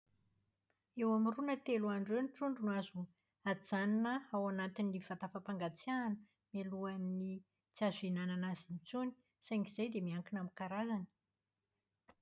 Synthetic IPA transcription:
ewamirunət̪eluaɳɖ͡ʐewniʈ͡ʂuɳɖ͡ʐunuazu | ad͡zaninəawanat̪iniv̥at̪afapaŋɡat͡sjanə | maluanːi | t͡siazuinananazint͡suni̥ | sajŋiz̥ajd̪emiaŋkinamikaɾazanə̥

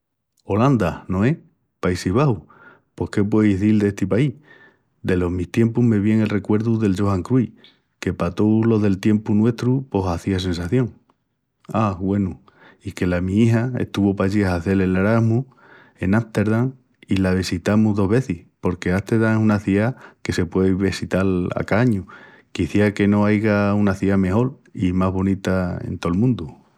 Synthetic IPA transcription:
o̞land̪ano̞e | paisiβ̞ahu | po̞hke̞p̬we̞iθild̪est̪ipai | d̪e̞lo̞ɦmiht̪je̞mpuɦme̞βjeŋe̞lre̞kwe̞ɾðuðe̞ld͡ʒo̞haŋkɾuj | ke̞pat̪olo̞ðe̞lt̪je̞mpunwe̞ht̪ɾupo̞saθias̬e̞nsaθjo̞ŋ | aɣwe̞nu | ike̞lamĩiɦaḛht̪uβopaʎiaaθe̞lelaɾaɦmu | e̞nast̪e̞ɾðaŋ | ilaβ̞isit̪amuɦðo̞ɦβe̞θihpo̞ɾke̞at̪e̞ɾðaŋesunaθiake̞se̞pwe̞βesit̪ala̰kaɲu | kiθiake̞no̞ajɣaunaθiame̞ho̞l | imazɦβo̞nit̪aḛnt̪o̞lmũnd̪u

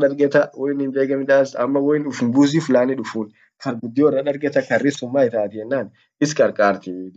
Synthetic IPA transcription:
ᶑɐɾɡɛt̪ɐwʔɔjɪnɪmbeːɡɐmɪᶑ̪aːsɐmːɐwɔjɪnᶑʊfʊmbuːzifʊlaːnɪᶑʊfuːn | kɐɾɡʊd̪ːɪɔrːɐᶑɐɾɡɛt̪ɐkɐrːɪsʊmːaːɪt̪aːt̪ɪjɛnːaːn | ɪskʼɐɾkʼaːɾt̪ɪ

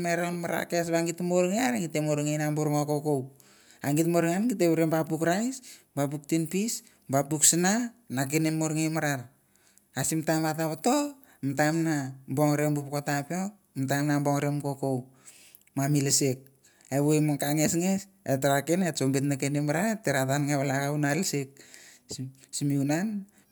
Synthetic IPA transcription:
maɾonmaɾa̰kes̬βaŋitmoɾŋeaɾaɡitemoɾŋejnamboɾŋokokow | aŋɡitmoɾŋanŋɡiteβuɾembapukɾajs | bap̬uk̚tinpis | bapuksinanak̬enemoɾŋejmaɾaɾ | asimtambatapato | emtamnamboŋɾembupkotapeo | mtamnamboŋɾemkokow | mamilesek̚ | eβuemakaŋesŋes | etaɾakenet͡ʃombetnakenemaɾaɾteɾatanŋeβalakawnalsek̚ | simiunan

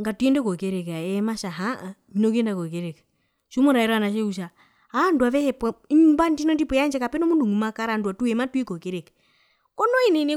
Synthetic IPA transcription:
ŋɡatwendɛkɔkeɾekaɛmaʃaɦa | minok̬endakɔkeɾek | ʃumoɾaɛɾanaʃeuʃa | andwaβɛhɛpwaɲimbandinɔndipɔjand͡ʒɛkapɛnɔmunduŋumakaɾandwatuɛmatwikɔkeɾek | kɔnɔinene

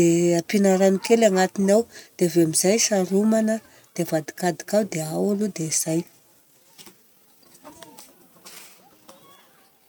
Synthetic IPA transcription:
eapinaɾanikelaŋat̪inawd̪̥eaveamiz̥ajsaɾumanə | d̪̥eavad̪i̥kad̪i̥kawd̪eawalud̪eiz̥aj

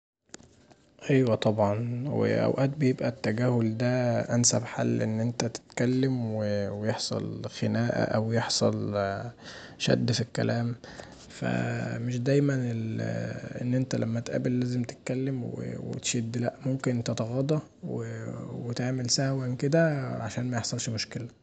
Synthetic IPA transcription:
ʔæjwæt̪ˤɑbʕɑnwḛʔæ̰wʔæːt̪̚bejebʔæt̪ːæɡæːhold̪æʔænsæfħa̰lːʔenːʔent̪æt̪e̥t̪kælːemwewejeħsˤɑ̰lxenæːʔæ̰ʔæwjeħsˤɑl | ʃæ̰d̪ːfikːæ̰læːm | fæ̰meʃ̬d̪æjmænelʔḛnːʔent̪ælʔæmːæt̪ʔæ̰belːæːzemt̪e̥t̪̚kælːemwḛwḛt̪ʃid̪ːlæʔmomkenʔt̪et̪ɑɣɑd̪ˤɑ | wewet̪aʕmelsæhwænked̪æʕaʃæːnmæjeħsˤɑlʃmoʃkelæ

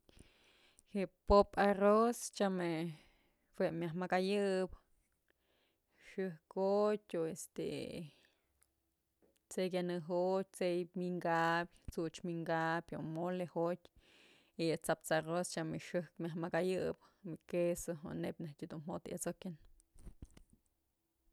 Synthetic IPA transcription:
heʔpoparost͡ʃame | hweʔmʲaɦmakajɨb | ʂɨhkotʲoest̪ḛ | t͡sek̬ʲanɨɦot̪̚ʲt͡sejpmiŋɡapʲt͡sut͡ʃmiŋɡapʲomolehotʲ | iat͡sap̚t͡sarost͡ʃameʂɨhkmʲjahmakajɨbmikesoɦo̰nepʲnehtʲid̪unɦot̪jʔa̰t͡sokʲɨn

